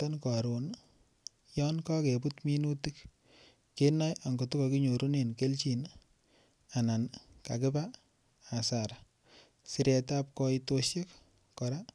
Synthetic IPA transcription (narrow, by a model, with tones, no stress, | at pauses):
tɔ˦nka˨ɾo˨n | jɔ˦nkɔ˦ke˨putmi˦nu˦ti˦k | ke˦na˦ja˨ŋɡo˨tu˦kɔ˨ki˦ɲo˨ɾu˦ne˨nke˦lt͡ʃi˨n | a˨na˨nka̰˨kɪ˦ba˦ | a˨sa˨ɾa | si˨ɾɛ˨ta˦p̚kɔ˧ito˦ʃje˦k | kɔ˨ɾa˦